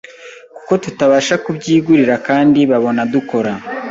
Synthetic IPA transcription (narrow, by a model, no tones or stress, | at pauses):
ku̥ko̞tutaβaːʃakubɟiːɡuɾiɾakaːndiβaβo̞naduko̞ɾa